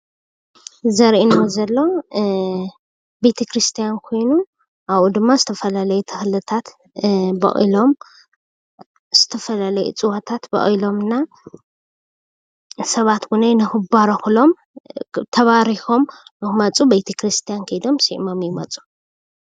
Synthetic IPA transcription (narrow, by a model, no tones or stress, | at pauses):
zɐɾʔinozɐlːo̞ | bejt̪ʰekɾɨst̪ʰijankʰo̞jnu | ʔaβud̪ɨmːazɨt̪ʰɐfɐlalɐjut̪ʰɨxlɨt̪ʰat̪ | bɐ̰χʼḭlo̞m | z̥ɨt̪ʰɐfɐlalɐjṵt͡sʼɨwat̪ʰat̪bɐ̰χʼilo̞mɨnːa | sɐβat̪ɡunejnɨxɨbaɾɐxlo̞m | t̪ʰɐβaɾixo̞mnɨxmɐt͡sʼubejt̪ʰekɾɨst̪ʰijankʰɐjd̪o̞msiʔmo̞mjɪmɐt͡sʼu̥